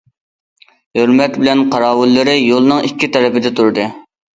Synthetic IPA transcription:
høɾmɛt̪bɪlɛnqʰɑɾɑːwʊlːɨɾɨjolˠnɨŋikʲːit̪ʰɛɾɛpɪd̪ɛt̪ʰuɾɨd̪ɨ

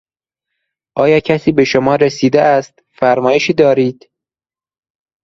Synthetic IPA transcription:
ʔɒːjɒːcʰæsiːbe̞ʃomɒːɾesiːd̪eæst̪ | fæɾmɒːjeʃiːd̪ɒːɾiːd̪̥

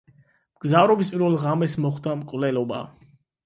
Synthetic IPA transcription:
mɡ̥zavɾɔbispʼiɾvɛlˠʁamɛsmɔχd̪amkʼvlɛlɔba̰

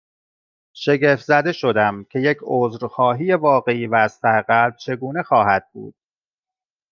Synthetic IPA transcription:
ʃe̞ɟeft̪zæd̪e̞ʃo̞d̪æmcʲʰe̞jecʰoːzɾxɒːɦiːje̞vɒːɣe̞iːvæːzt̪ʰæɾeɣælb̥̚t͡ʃʰe̞ɡuːne̞xɒːɦæd̪̥̚bṵːd̪̥̚

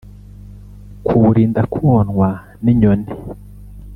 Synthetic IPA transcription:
kʰuɾiːndakʰuonŋwa | niɲone

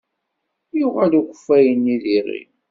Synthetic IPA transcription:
juʁælukəfːæjənːiðirḭ

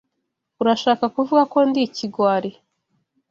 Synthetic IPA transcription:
uɾaʃaːkakuvuɡako̞ndiciɡwaːɾe

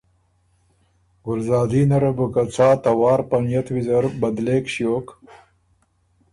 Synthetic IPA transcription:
ɡʊlzɑːd̪iːnɐɾebukɐt͡sʰaːt̪ɐwɑːɾpɐnjɐt̪wizɐɾbɐd̪leːkɕjoːk

